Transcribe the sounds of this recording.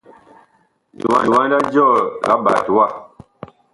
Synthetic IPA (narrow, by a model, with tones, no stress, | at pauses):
dḭ˨wa̰˨˦li˨wã˦da˦d͡ʒɔ˦˨la˨˦ba̰˨tu˨˦wa˦˨